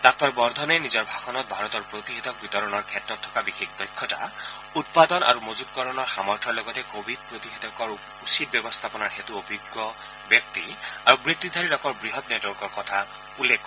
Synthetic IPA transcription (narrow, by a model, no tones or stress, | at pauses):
dak̚tɔɹbɔɹd̪ʱɔnɛnizɔɹbʱaxɔnɔt̪̚bʱaɹɔt̪ɔɹpɹot̪ixet̪ɔk̚bit̪ɔɹɔnɔɹkʰɛtɹɔt̪ʰːɔ̥kabixʰikdɔjkʰːɔta̰ | ut̚pad̪ɔna̰ɹumozud̚kɔɹɔnɔɹxamɔɹtʰɔlɔɡɔtɛkobʱid̚pɹot̪ixet̪ɔkɔɹ | usid̚bjɛbɔst̪ʰapɔnaɹxet̪uobʱiɡːɔ | bjɔk̚t̪iaɹubɹit̪ːid̪ʱaɹiɾɔkɔɹbɹiɦɔtnɔdɔɹkɔɹkɔtʰa | ulːekːɔ